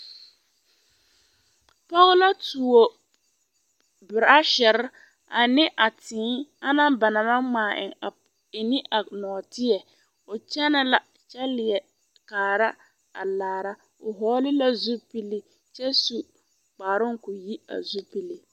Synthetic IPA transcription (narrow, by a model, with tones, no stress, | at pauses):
pɔ˦ɣʊ˦la˦tuː˨o˨ | bɪ˨ɾa˦ʃɛ˨ɾɪ˦ | a˨nɪ˦ʔa˨tɪː˨˦a˦na˦mba˨na˨ma˦ŋ͡maː˨ʔɪ̰˨ŋa˨ | ɪ˨nɪ˦ʔa˨nɔː˨tɪ˦jɛ˨ | ʊ˨t͡ʃɛ˦na˦la˨ | t͡ʃɛ˦lɪ˨ɛ˨ | kaː˨ɾa˦ | a̰˨laː˨ɾa˦ | ʊ˨ɦɔː˦lɪ˦la˦zu˦pi˦li˦ | t͡ʃɛ˦su˨ | k͡paː˨ɾʊ˦ŋ˦kʊ˨ji˦a̰˨zu˦pi˦li˨